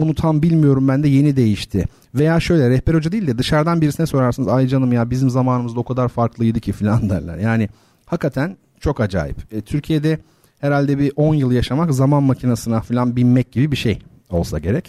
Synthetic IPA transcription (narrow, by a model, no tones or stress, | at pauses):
unut̪ʰanbilʲmijo̞ɾumbænd̪ɛje̞nid̪e̞jiʃt̪ʰɪ | ve̞jaːʃø̞jlʲɛɾɛhpɛɾho̞d͡ʒad̪ejilʲd̪ɛd̪ɯʃaɾd̪anbiɾisinɛso̞ɾaɾsɯnɯzajɯd͡ʒanˠɯmjabizimzamaːnɯmɯzd̪ao̞kʰad̪aɾfaɾklˠɯɯjd̪ɯcʰifilʲand̪æ̰ɾlʲæ̰ɾjaːnɪ | hakːat̪ʰæn | t͡ʃʰo̞kad͡ʒa̰ːjḭpːt̪ʰyɾcʰije̞d̪ɛ | heɾalʲd̪ɛbiʔo̞njɯlˠjaʃamakzamanmacʰinasɯnafilʲanbilʲmɛc̚ɟibibiʃḛj | o̞̰lˠsa̰ɟe̞ɾɛc